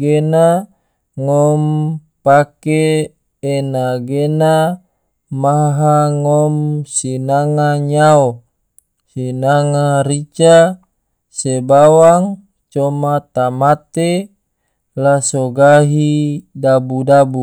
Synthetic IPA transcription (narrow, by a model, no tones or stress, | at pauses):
ɡena | ŋɔm | pakeː | naɡena | maɦaŋɔmsinaŋaɲao | sinaŋaɾit͡ʃa | sebawaŋ | t͡ʃɔmat̪amat̪e | lasoɡaɦidabudabu